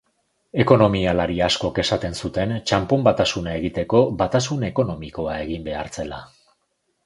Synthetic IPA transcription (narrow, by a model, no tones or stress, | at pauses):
e̞ko̞no̞mialaɾiasko̞ke̞sat̪e̞nsut̪e̞nt͡ʃampo̞mbat̪asunae̞ɣ̞it̪e̞ko̞bat̪asune̞ko̞no̞miko̞ae̞ɣ̞imbe̞a̰ɾt͡se̞la